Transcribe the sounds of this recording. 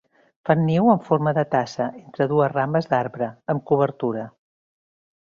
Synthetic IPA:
fanːiwəɱfoɾməðət̪asəʔent̪ɾəðuəzrambəzd̪aɾβɾəəmkuβəɾt̪uɾə

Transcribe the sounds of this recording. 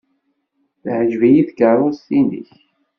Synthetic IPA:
θʕəʒvijiθkərˤostinḭç

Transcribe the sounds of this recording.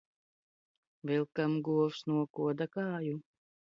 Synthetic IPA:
vilˠkamɡuɔfsnuɔkuɔd̪akaːju

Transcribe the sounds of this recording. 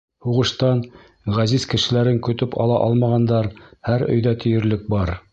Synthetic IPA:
huʁɤ̆ʃt̪ɑn | ʁæzizkɘ̆ʃɘ̆læɾɘŋkɵ̆t̪ɵpɑ̰lˠɑʔɑlˠmɑʁɑnd̪ɑɾhæɾɵ̆jðæt̪ʰɵ̆jɘ̆ɾlɘk̚bɑɾ

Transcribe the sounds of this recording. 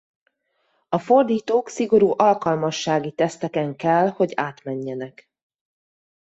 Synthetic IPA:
ɒfo̞rd̪iːt̪oːksiɡo̞ɾuːʔɒlkɒlmɒʃːaːɡit̪ɛst̪ɛkɛŋkɛlho̞ɟaːt̪mɛɲːɛnɛk

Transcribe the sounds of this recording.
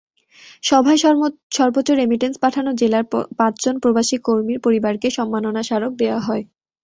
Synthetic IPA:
ʃɔbʱaeʃɔɾbotːt͡ɕːoɾemiʈenspaʈʰanod͡ʑelaɾpãt͡ɕd͡ʑonpɾobaʃikoɾmiɾpoɾibaɾkeʃɔmːanonaʃaɾok̚d̪eoaɦɔe

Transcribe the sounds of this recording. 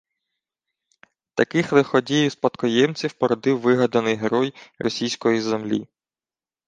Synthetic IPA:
t̪ɐkɪxlˠɪxɔdʲijispɐt̪kɔjɛmt͡sʲiwpɔɾɔd̪ɪwːɪɦɐd̪ɐnɪjɦeɾɔjrɔsʲijsʲkɔjizemlʲḭ

